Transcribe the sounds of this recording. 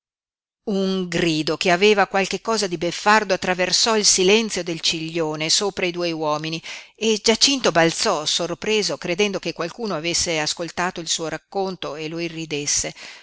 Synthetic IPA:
uŋɡɾiːd̪okeaveːvakwalk̟ekːɔːzad̪ibefːard̪oat̪ːɾaversɔilsilɛnt̪sjod̪elt͡ʃiʎːoːnesoːpɾaid̪uːjwɔːminied͡ʒat͡ʃint̪obalt̪sɔsorpɾeːzokɾed̪ɛnd̪okekːwalkuːnoavesːeaskolt̪aːt̪oilsuːoɾakːont̪oeloirːid̪esːe

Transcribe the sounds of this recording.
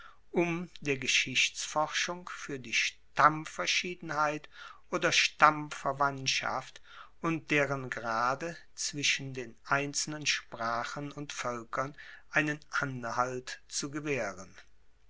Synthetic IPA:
ʔʊmdeːɐɡəʃɪçt͡sfɔʁʃʊŋfyːɐdiːʃtamfɛɐʃiːdn̩haɪtʔoːdɐʃtamfɛɐvantʃa̰ft | ʊnt̚d̥eːʁənɡəʁaːdə | t͡sv̥ɪʃn̩deːnʔaɪnt͡sl̩nənʃpʁ̥aːχənʊntfœlkʰɐnʔaɪnənʔanhaltt͡suɡəveːʁən

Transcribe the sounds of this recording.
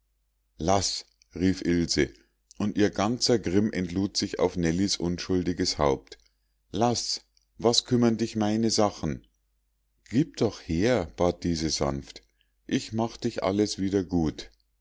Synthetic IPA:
las | ʁiːfʔɪlzə | ʔʊntʔiːɐɡant͡sɐɡʁɪmʔɛntluːtz̥ɪça̰ʊfnɛlisʔʊnʃʊldɪɡəsha̰ʊp̚t | las | vaskʰʏmɐndɪçmaɪnəzaχn̩ | ɡ̥iːp̚d̥ɔχheːɐb̥aːt̚d̥iːzəza̰nft | ʔɪçmaχd̥ɪçʔa̰ləsv̥iːdɐɡuːt

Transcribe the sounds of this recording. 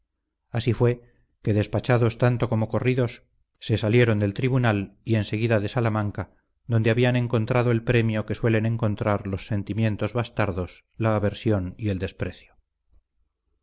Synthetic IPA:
asifwe̞ | ke̞ðe̞spat͡ʃaðo̞st̪ant̪o̞ko̞mo̞ko̞riðo̞sː | e̞salje̞ɾo̞nd̪e̞lt̪ɾiβunalie̞nse̞ɣ̞iðaðe̞salamãŋka | ðond̪eaβianẽ̞ŋko̞nt̪ɾaðoe̞lpɾe̞mjo̞ke̞swe̞le̞nẽ̞ŋko̞nt̪ɾaɾlo̞sːe̞nt̪imjẽ̞nt̪o̞zβast̪aɾðo̞s | laːβe̞ɾsjo̞nie̞ld̪e̞spɾe̞θjo

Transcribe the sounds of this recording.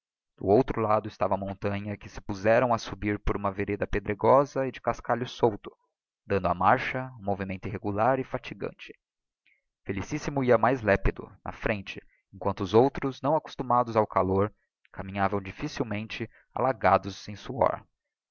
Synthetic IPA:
d̪̥ʊowt̪ɾʊlad̪ʊɪst̪avɐamõnt̪ɐ̃ɲɐkɪsɪ̥puzɛɾɐ̃w̃ɐsubiɾpoɾũmɐveɾed̪ɐped̪ɾeɡɔzɐɪd͡ʒɪkaskaʎʊsowt̪ʊ̥ | d̪ɐ̃nd̪ʊa̰maɾʃɐũmovimẽnt̪ʊiɦeɡulaɾɪfat͡ʃiɡɐ̰̃nt͡ʃɪ̥ | felisisimʊiɐmajzlɛpid̪ʊ̰nʔɐ̰fɾẽnt͡ʃɪ | ẽŋkwɐ̃nt̪ʊːzowt̪ɾʊznɐ̃w̃aku̥st̪umad̪ʊzawkʰaloɾ | kamĩɲavɐ̃w̃d͡ʒifisiwmẽnt͡ʃɪ | a̰laɡad̪ʊzẽj̃suɔ̰ɾ

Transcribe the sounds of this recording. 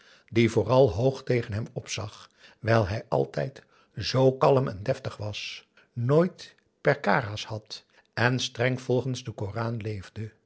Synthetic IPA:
divʊːrɑlˠɦowχtejχənɦɛmɔpsɑχ | ʋɛjlˠɦɛjʔɑ̰lˠtɛ̰jt | zowkɑləmɛ̰ndɛftəχʋɑs | noːjt | pɛɹkaːraːshɑt | ɛnstrɛŋv̥ɔlˠχənzdəkoːraːnlejvdə

